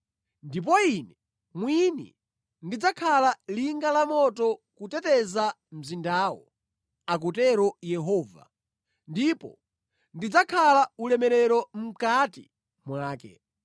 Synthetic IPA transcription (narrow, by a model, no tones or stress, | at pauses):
ndip̬ɔinɛ | mwinɛ̰ | ndid͡zakʰalaliŋɡalamɔtɔkutɛtɛza | m̩zindaːwɔ̰ | ak̬utɛɾɔjɛɦɔːva̰ | ndipɔ̰ | ndid͡zakʰalaulɛmɛɾɛɾɔm̩katḭ | mwaːkɛ̰